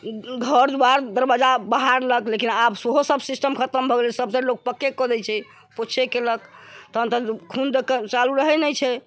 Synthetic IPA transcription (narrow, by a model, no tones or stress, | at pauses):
ɡʱəɾd̪uaɾd̪əɾbad͡ʒabaɦaɾləklekinabsoɦosəbsisʈəmkʰət̪əmbʱɔɡelɛsəbsə̃lok̚pəkːekɔd̪ɛt͡ʃʰɛ | pot͡ʃʰekeləkt̪ənt̪əkʰund̪kt͡ʃaluɾəɦɛnɛjt͡ʃʰɛ